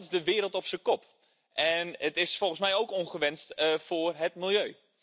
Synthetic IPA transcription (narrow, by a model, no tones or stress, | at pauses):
tsdəʋɪːɾəlˠtɔpsəkɔp | ʔɛnətɪsfɔlˠɣən̩smɛjoːkoŋχəʋɛnstfʊːrɦətmilˠjøː